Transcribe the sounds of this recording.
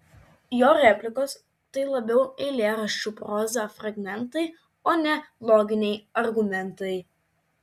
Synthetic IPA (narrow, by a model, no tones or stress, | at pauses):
joːɾʲɛpʲlʲɪkoːs | t̪ɐɪlˠɐbʲɛʊɛɪlʲeːɾɐʃʲt͡ʃʲupɾoːzʲɐfɾɐɡmʲɛnˑt̪ɐɪ | oːnʲɛlˠoːɡʲɪnʲɛɪɐɾɡʊmʲɛnt̪ɐɪ